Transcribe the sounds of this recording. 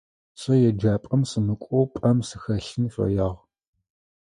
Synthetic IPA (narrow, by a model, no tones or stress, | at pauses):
sʼɐjɛd͡ʒaːpʼɐmsɨmɨkʷʼɔwpʼɐmsɨxɐɬɨnfɐ̰jaːʁ